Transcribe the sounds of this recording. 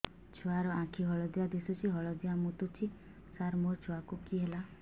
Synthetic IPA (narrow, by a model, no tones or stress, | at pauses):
t͡ʃʰoaɾɔãkʰiɦɔɭɔd͡ʒijad̪isut͡ʃʰiɦɔɭɔd͡ʒijamut̪ut͡ʃʰi | saɾmot͡ʃʰoakukiɦela